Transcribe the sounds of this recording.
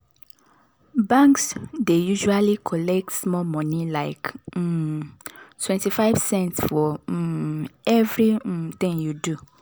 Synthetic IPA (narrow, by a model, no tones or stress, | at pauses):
bãŋksdejuʒualikʰɔlɛk̚tsmɔmɔ̃nilaɪk̩ | twɛ̃ntifaɪvsɛ̃ntsfɔ | ɛvɹit̪ĩŋjudu